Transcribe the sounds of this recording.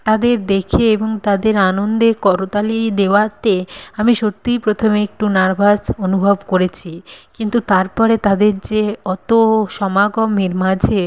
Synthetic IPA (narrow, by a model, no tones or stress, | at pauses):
t̪ad̪eɾd̪ekʰeeboŋt̪ad̪eɾanond̪ekɔɾot̪alid̪eoat̪eamiʃot̪ːipɾot̪ʰomeek̚ʈunaɾbʱasonubʱobkoɾet͡ɕʰikint̪ut̪aɾpɔɾet̪ad̪eɾd͡ʑeɔt̪oʃɔmaɡomiɾmad͡ʑʱe